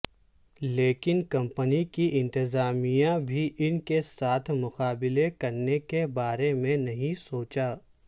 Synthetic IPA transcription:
leːkɪnkɐ̃mpənikiʔɪ̃nt̪ɪzaːmijãbʱiʔɪnkesaːt̪ʰmʊqaːbɪlekɐɾnekebaːɾemẽnɐɦĩsoːt͡ʃaː

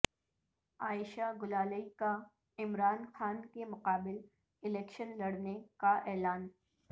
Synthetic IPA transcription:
aːɪʃaɡʊlaːləika | ɪmɾaːnxaːnkemʊqaːbɪl | ɪlɛːkʃənlɐɽnekaʔɛːlaːn

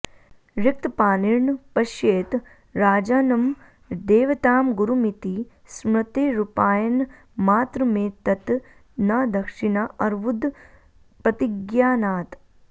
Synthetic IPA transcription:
ɾɪk̚t̪paːniɾɳpɐʃjeːt̪ | ɾaːd͡ʒaːnɐm | d̪eːʋɐt̪aːmɡuɾumit̪i | smɐt̪eːɾupaːjɐn | maːt̪ɾɐmẽːt̪ɐt̪ | nɐd̪ʱɐkʂinaʔɐɾʋud̪ | pɾɐt̪iɡjaːnaːt̪

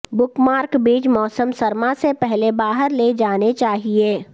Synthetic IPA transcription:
bʊkmaːɾkbiːt͡ʃmɔːsəmsəɾmãsepɛɦlebaːɦəɾled͡ʒaːnet͡ʃaːɦieː

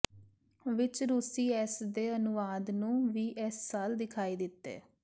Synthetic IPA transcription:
ʋɪt͡ʃɾusiːɛsd̪eːənʊʋaːd̪nũːʋiːʔɛsːaːld̪ɪkʰaːiːd̪ɪt̪ːḛː

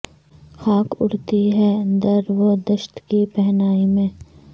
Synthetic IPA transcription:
xaːkʊɽ̤t̪iɦɛənd̪əɾʋod̪əʃt̪kipɛɦnaːimẽː

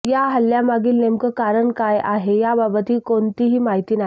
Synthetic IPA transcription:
jaɦəljamaɡiːlnemkəkaɾəɳkajʔaɦejababət̪iːkoɳt̪iːɦiːmaɦit̪iːna

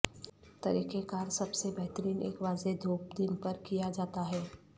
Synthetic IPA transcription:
t̪ɐɾiːkekaːɾsɐbsebɛɦt̪əɾiːnḛːkʋaːzed̪ʱoːp̚d̪ɪnpɐɾkijad͡ʒaːt̪aɦɛː

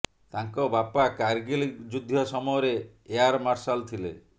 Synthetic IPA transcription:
t̪aŋkɔbapakaɾɡild͡ʒud̪ʱːjɔsɔmɔjɔɾeː | aɾmaɾsalt̪ʰilḛ

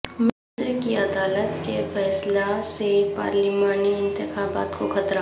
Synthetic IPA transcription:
mɪzɾkiɐd̪aːlət̪kefɛːslasepa̰ːɾlimaːniɪ̃nt̪ɪxaːba̰ːt̪kokʰɐt̪ɾa

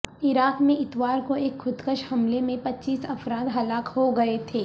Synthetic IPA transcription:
ɪɾaːkmẽɪt̪ʋaːɾkoeːkxʊd̪kəʃhɐmlemẽpɐtːt͡ʃːiːsɐfɾaːd̪ɦɐlaːkɦoɡɐet̪ʰeː

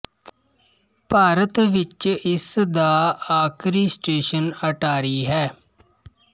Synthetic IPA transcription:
paːɾət̪ʋɪt͡ʃɪsd̪aːaːkʰɾiːsʈeːʃənəʈaːɾiːɦɛː

